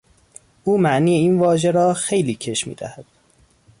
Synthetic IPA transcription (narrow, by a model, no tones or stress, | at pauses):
ʔuːmæʔniːjeiːnvɒːʒeɾɒːxe̞jliːcʰe̞ʃmḭːd̪æ̰hæd̪̥